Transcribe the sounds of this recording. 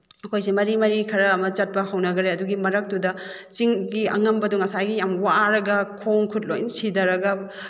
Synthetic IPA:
ɐkʰojsemɐɾimɐɾikʰɐɾɐːmɐt͡ʃɐt̚pɐhɐwnɐɡɐɾeɐduɡimɐɾɐk̚tudɐ | t͡ʃiŋɡiɐ̰ŋɐmbɐduŋɐsajɡijamwaɾɐɡɐkʰoŋkʰut̚lojnsidɐɾɐɡɐ

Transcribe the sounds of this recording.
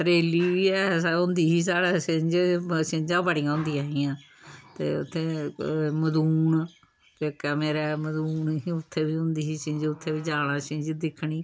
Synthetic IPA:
ɾeːliːʋiːɛːsʊ̃nd̪iːɦiːsaːɽaːsɪɲd͡ʒsɪ̃ɲd͡ʒãːbəɽɪjãːʊ̃nd̪iːaːɦiːãː | t̪ḛːʊ̰t̪ʰːeːməd̪uːn | d͡ʒeːkɛːmeːɾɛːməd̪uːniʊt̪ʰːeːbiːʊ̃nd̪iːɦiːsɪ̃ɲd͡ʒʊt̪ʰːeːʋiːd͡ʒaːɽ̃ãːsɪ̃ɲd͡ʒd̪ɪkʰɳiː

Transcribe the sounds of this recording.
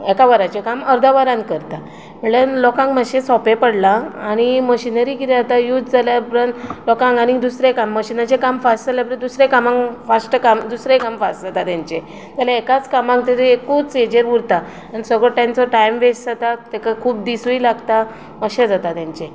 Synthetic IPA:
ɛkaʋəɾat͡ɕekaməɾd̪ʱaʋaɾãn̚kəɾt̪a | m̤əɭənlɔkãŋkməɕẽsɔpepəɽlaːñiməɕinəɾikiɾeat̪ajuːd͡zd͡zaljaɾpəɾənlɔkãŋkaɽ̃id̪usɾekamːəɕinat͡ɕekamfasd͡zaljapəɾəd̪usɾekamãŋkfasʈkamd̪usɾekamfasʈd͡zat̪at̪jãɲt͡ɕe | t̪alaekat͡skamãŋk̚t̪eɾeekut͡sed͡ʑeɾbuɾt̪a | anisəɡɭɔʈ̪ãnt͡sɔʈajmʋesd͡zat̪at̪ekakʰuːp̚d̪isuilaɡt̪a | əɕed͡zat̪at̪jãɲt͡ɕe

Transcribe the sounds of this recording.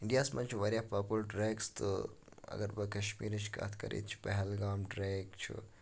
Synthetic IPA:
ɪɳɖijaːsmʔãt͡ʃʰiʋɐɾjapɐpulɖɾeːɡst̪o | ɐ̰ɡəɾbɐkɐʃmiːɾit͡ʃʰka̰ːt̪ʰkɐ̰ɾḭːt̪̚ʰt͡ʃʰi̥pɛɦɛlɡaːmɖɾeːɡt͡ʃʰṵ

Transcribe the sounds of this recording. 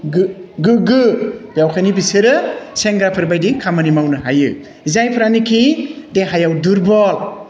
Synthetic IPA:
ɡɯɡɯɡɯbjawkʰanibisɯɾɯseŋɡɾapʰɯɾbajdikʰamɯnimawnɯɦajɯ | zajpʰɯɾanikʰideɦajawduɾbɔl

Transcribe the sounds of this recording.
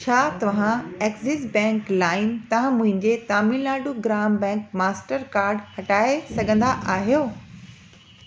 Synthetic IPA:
t͡ɕʰaːt̪ɐʋ̤ãɛːkzɪsbɛ̃ːŋklaːɪnt̪ɐʋ̤ãmʊ̃ɦɪ̃ɲd͡ʑet̪aːmilaːɖuɡɾaːmbɛ̃ːŋkmaːsʈəɾkaːɾɖhɐʈaːesɐɡʱə̃nd̪aʔaːɦijoː

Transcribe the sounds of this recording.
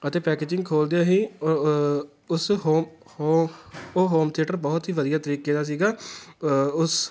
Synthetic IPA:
ət̪eːpɛːkeːd͡ʒɪ̃ŋɡkʰoːld̪ejãːɦĩː | ʊsɦoːm | hoːoːɦoːmt̪ʰiːʈəɾbɔːt̪ɦiːʋəd̪ijaːt̪əɾiːkeːd̪aːsiːɡaː | ʊs

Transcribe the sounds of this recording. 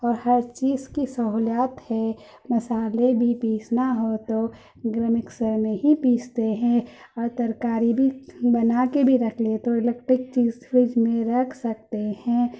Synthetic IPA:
ɔːɾhɐɾt͡ʃiːzkisəɦuːljaːt̪hɛ̃ | mɐsaːlebʱipiːt͡ʃnaɦot̪o | ɡɾəmɪksəɾmeɦĩpiːt͡ʃt̪eɦɛ̃ | ɔːɾt̪əɾkaːɾibʱibənaːkebʱiɾɐkʰliet̪oɪlek̚ʈɾɪk̚t͡ʃiːzfɾɪd͡ʒmẽɾɐkʰsək̚t̪ehɛ̃ː

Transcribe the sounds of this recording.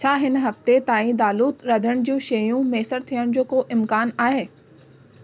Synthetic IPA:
t͡ɕʰaːɦɪnɦɐft̪et̪aːĩd̪aːluːt̪ɾɐd̪ʱəɽ̃d͡ʑũːʃejũmeːsəɾt̪ʰijəɽ̃d͡ʑoːkoʔɪmkaːnaːɦeː

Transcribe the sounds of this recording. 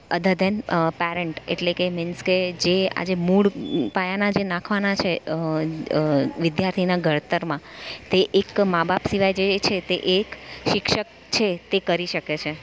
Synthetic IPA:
əd̪ʱəd̪ɛnpɛɾəɳʈḛʈlekemɪnsked͡ʒea̰d͡ʒemuɭpajanad͡ʒenãkʰʋanat͡ʃʰe | ʋɪd̪jaɾt̪ʰinaɡʱəɭt̪əɾmãt̪eʔekmabapsiʋajd͡ʒet͡ʃʰet̪eʔekʃɪkʃək̚ | t͡ʃʰet̪ekəɾiʃəket͡ʃʰe

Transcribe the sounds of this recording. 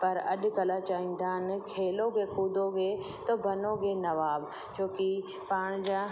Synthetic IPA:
pɐɾɐɗʊ̆kɐlat͡ɕaːĩːn̆d̪aːnɪ̆kʰeːloɡekuːd̪oɡe | t̪obɐnoɡenɐʋaːb | t͡ɕʰoːki | paːɽ̃d͡ʑaː

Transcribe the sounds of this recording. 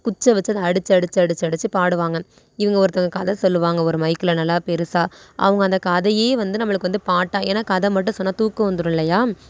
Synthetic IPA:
kʊt͡ʃːɐʋɛt͡ʃːɐðɐɐɽɯt͡ʃːɯɐɽɯt͡ʃːɯɐɽɯt͡ʃːɐɽɯt͡ʃːɯpaːɽɯʋaːŋɡɐ | ɪʋɐŋɡɐɔɾɯt̪ːɐŋɡɐkɐðɐsɔlːɯʋaːŋɡɐɔɾɯmɐɪkːɪlɐnɐlːaːpɛɾɯsaːʔɐ̰ʋɐŋɡɐnd̪ɐkɐðɐjeːʋɐnd̪ɯnɐmːɐɭɯkːɯʋɐnd̪ɯpaːʈːãːeːnːaːkɐðɐmɐʈːɯ̃sɔnːaːt̪uːkːɐʋɐnd̪ɯɾɯ̃nɪlːɐjaː

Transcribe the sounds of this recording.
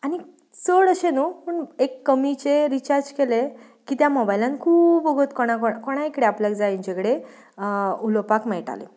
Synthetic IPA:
aɽ̃i | səɽəɕenupəɳekːəmit͡ɕeɾit͡ɕaɾd͡ʑkele | kiːt̪jamɔbajlãnkʰuːpbəɡʱot̪koɽ̃akɔkɔɽ̃aekɽeaplakd͡zajiɲt͡ɕekəɽe | ulopakmɛɭʈa̰lḛ

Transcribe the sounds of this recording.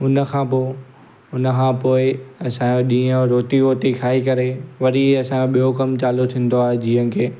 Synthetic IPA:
ʊnə̆kʰãːpo | ʊnə̆kʰãːpoːɪɐsãɗĩːə̃ɾoːt̪iɾoːt̪ikʰaːikɐɾeʋɐɾiɐsãɓijokɐmt͡ɕaːlot̪ʰĩːn̆d̪oaːɦed͡ʑiːə̃kʰeː

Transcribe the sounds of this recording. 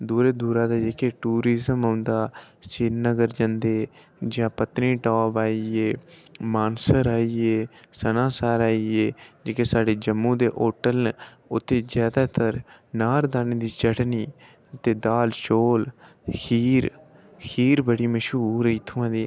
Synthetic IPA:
d̪uːɾeːd̪uːɾãːd̪aːd͡ʒeːkeːʈuːɾɪzəmə̃nd̪aːsɪnnəɡəɾd͡ʒə̃nd̪eː | d͡ʒãːpət̪nĩːʈɔːbaːiːeːmaːnsəɾaːiːeːsənãːsaːɾaːiːeːd͡ʒeːkeːsaːɖeːd͡ʒəmːũːd̪eːʔoːʈəln | ʊt̪ʰːeːzjaːd̪aːt̪əɾnaːɾd̪aːnẽːd̪iːt͡ʃəɽniː | t̪eːd̪aːlʃoːl | hʰiːɾ | xʰiːɾbəɽiːməʃɦuːɾit̪ʰːʊ̃ãːd̪iː

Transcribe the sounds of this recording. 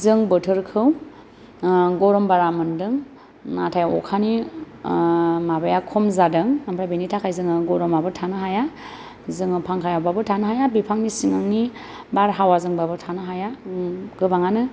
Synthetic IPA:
zɯŋbɯtʰɯɾkʰɯw | ɡɔɾɔmbaɾamɯndɯŋ | natʰajaɔ̰kʰani | mabajakʰɔmzadɯŋampʰɾabinitʰakʰajzɯŋɯɡɔɾɔmabɯɾtʰanɯɦaja | zɯŋɯpʰaŋkʰajawbabɯɾtʰanɯɦajabipʰaŋnisiŋaŋni | baɾɦawazɯŋbabɯɾtʰanɯɦajaɡɯbaŋanɯ

